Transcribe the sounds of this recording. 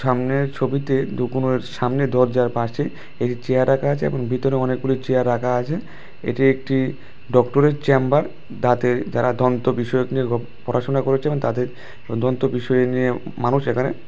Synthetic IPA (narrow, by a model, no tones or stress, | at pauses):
ʃamneɾt͡ɕʰobit̪ed̪ukunoeɾʃamned̪ʱɔɾd͡ʑaɾpaʃʰi | eʈit͡ɕejaɾːakʰaat͡ɕʰeḛboŋbʱit̪oɾeɔnek̚ɡulit͡ɕeaɾːakʰaat͡ɕʰe | ḛʈiek̚ʈi | ɖɔkʈoɾeɾt͡ɕɛmbaɾ | t̪at̪eɾd͡ʑaɾad̪ʱɔnt̪obiʃɔoknieɡɔ | pɔɾʔaʃonakoɾet͡ɕʰeebõŋt̪at̪eɾ | d̪ʱɔnt̪obiʃɔjenijemanuʃekʰanḛ